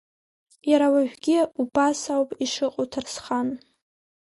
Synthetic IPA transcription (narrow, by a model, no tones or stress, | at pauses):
jaɾawaʒʷᶣɡʲɪubasawpʼiʂɨqʼotʰarsχan